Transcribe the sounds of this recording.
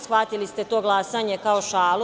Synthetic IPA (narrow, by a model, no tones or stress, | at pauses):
sxʋat̪ilist̪e̞t̪o̞ːɡlˠaːsaːɲekaoʃaːlu